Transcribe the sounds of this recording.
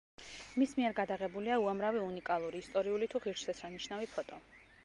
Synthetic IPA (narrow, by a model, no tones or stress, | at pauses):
mismiɛɾɡad̪aʁɛbuliauamɾaviunikʼalˠuɾiːst̪ʼɔɾiulit̪ʰuʁiɾt͡ʃsɛsɾaniʃnavipʰɔt̪ʼɔ